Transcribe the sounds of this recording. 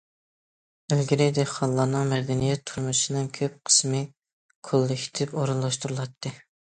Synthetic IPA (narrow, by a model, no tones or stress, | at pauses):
ølɡʲiɾɪd̪eqʰɑnlˠɑːnɨŋmɛd̪ɛnijɛt̪ʰːuɾmuʃinɨŋkʲʰøp̚qʰə̥smɨ | kʰolˠːɨkʲʰi̥t̪ʰɪpoɾulˠːɑʃt̪uɾɨlˠɑt̪ʰːɨ